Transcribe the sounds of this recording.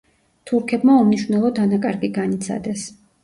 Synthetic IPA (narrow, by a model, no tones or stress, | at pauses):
t̪ʰuɾkʰɛbmaumniʃɾnɛlˠɔd̪anakʼaɾɡiɡanit̪sʰa̰d̪ɛs